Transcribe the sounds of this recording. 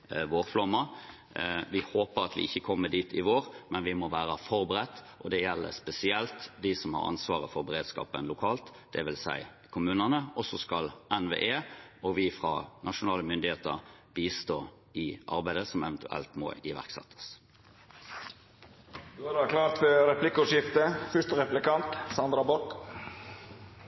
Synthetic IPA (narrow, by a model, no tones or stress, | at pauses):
ʋoːʁflɑmːɑ | ʋɪhoːpəɾɑt̪ʋɪ̰ʔɪçːəkʰɔmːəd̪iːt̪ʰɪʋoːɾmɛnʋɪmɔʋæːɾəfɔɾbəɾɛt̪ːʔɔd̪ɛjɛlːə̰spɛsɪɛlt̪d̪ɪsɔmhɑ̰ɾɑ̰nsʋɑːʁəfɔɾbəɾeːd̪skɑ̰ːpənlʊkʰɑːlt̪d̪̥ɛ̰ʋɪlsæ̰ɪ | kʰʊmʉːnənəɔsɔskɑlɛnʋḛːʔeːɔʋɪfʁɑ̰nɑʂʊnɑːləmʏnd̪ɪheːt̪əɾbiːst̪oː | ɪʔɑ̰ɾbæɪd̪əsɔmɛʋɛnt̪ʰʉʔɛ̰lt̪mɔ̰ɪʋæ̰ʁksɛ̰t̪ʰːə̥s | d̪ʉɑɾdɑkʰlɑːɾt̪fœɾɛplɪkːʊʂjɪft̪əfʏʂt̪əɾɛplɪkɑnt̪sɑnd̪ɾɑbɔk